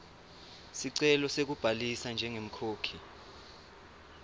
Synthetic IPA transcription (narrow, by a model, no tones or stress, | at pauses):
siǀɛlɔsek̬ub̥ʱalisand͡ʒʱɛŋem̩kʰoːkʰi